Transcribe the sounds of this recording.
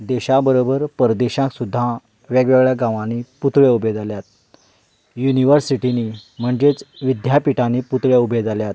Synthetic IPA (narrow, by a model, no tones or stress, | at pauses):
d̪eɕabəɾobəɾpəɾd̪eɕãksud̪ʱːa | ʋɛɡʋɛɡɭjaɡãʋãniput̪ɭjaubʱed͡zaljat̪̚ | juniʋəɾsiʈinim̤əɳd͡ʑet͡sʋid̪ʱjapiʈaniput̪ɭjaubʱed͡zaljat̪̚